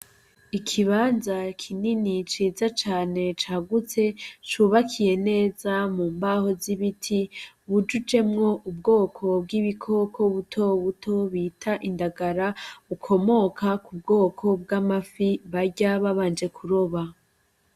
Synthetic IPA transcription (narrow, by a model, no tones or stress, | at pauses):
ikʰiβaːnzakʰininit͡ʃiːzat͡ʃaːne̞t͡ʃaːɡut͡se̞t͡ʃuːβakʰije̞ne̞ːzamuːmbaho̞ziβitʰi | βud͡ʒud͡ʒe̞mŋo̞ʔub̚ɡo̞ːkʰo̞b̚ɡiβikʰo̞kʰo̞βutʰo̞βutʰo̞βiːtʰaʔindaɡaɾaβukʰo̞mo̞kʰakub̚ɡo̞ːkʰo̞b̚ɡamafiβaɾɟaβaβaːnd͡ʒe̞kʰuɾo̞βa